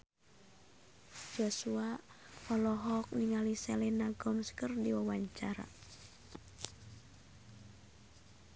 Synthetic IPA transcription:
d͡ʒ̥osua | ɔlɔɦɔk̚niŋalisɛlɛnaɡɔmskərdiwawaɲt͡ʃaɾa̰

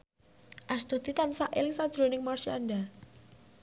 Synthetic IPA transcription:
ʔast̪ut̪it̪ansaʔelɪŋsad̥ʒ̥ɾonɪŋmarsia̰nɖa

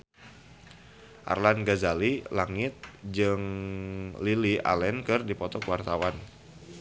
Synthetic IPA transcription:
ʔa̰rlanɡazalilaŋɪt̪̚d͡ʒɨŋ | liliʔa̰lɛnkɨrdipɔt̪ɔkwart̪awan

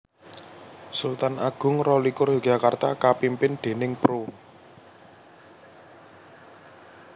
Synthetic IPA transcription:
sult̪anaɡ̥ʊ̤ŋrɔlikʊrjoɡ̥ʒ̥a̤kart̪akapimpɪnd̪̥e̤nɪŋpɾo

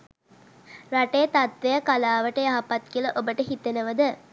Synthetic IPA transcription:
raʈejət̪at̪ʋejakalaːʋəʈəjaɦapat̪kiələʔobəʈəɦit̪enəʋəd̪ə

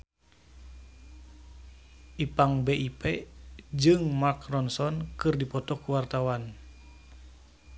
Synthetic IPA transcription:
ʔipaŋbeʔiped͡ʒɨŋmakrɔnsɔnkɨrdipɔt̪ɔkuwart̪awan

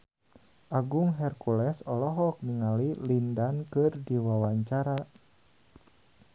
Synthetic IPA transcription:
ʔaɡuŋɦɛrkulɛsɔlɔɦɔk̚niŋalilindankɨrdiwawaɲt͡ʃaɾa

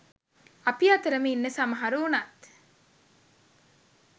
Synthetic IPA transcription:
ɐpiɐt̪ɐɾɐmiːnːɐsamɐɦɐɾuːnat̪

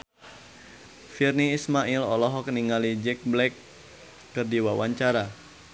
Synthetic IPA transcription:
firniːsmailɔlɔɦɔk̚niŋalid͡ʒɛk̚blɛkː | ɨrdiwawaɲt͡ʃaɾa

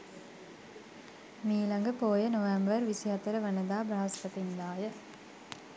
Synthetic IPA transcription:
miːlɐŋɡəpoːjənoʋambəɾʋisiɦɐt̪əɾəʋənəd̪aːbɾaɦɐspɐt̪ind̪aːjə

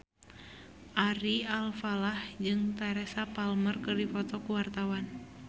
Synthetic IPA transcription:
ʔaɾialfalahd͡ʒɨŋt̪aɾɛsapalmərkərdifɔt̪ɔkuwart̪awan

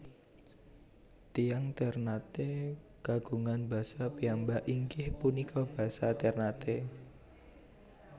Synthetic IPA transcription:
t̪ijaŋt̪ɛrnat̪e | ɡ̥aɡ̥ṳŋanba̤sapiambaʔiŋkɪhpunikʰɔb̥a̤sat̪ɛrnat̪e

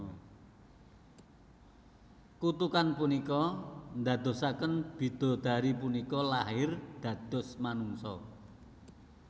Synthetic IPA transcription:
kut̪ukanpunikɔnd̪ä̤d̪̥o̤sakənb̥i̤d̪̥o̤d̪̥a̤ɾipunikɔlahɪrd̪̥ä̤d̪̥ʊ̤smanuŋsɔ̰

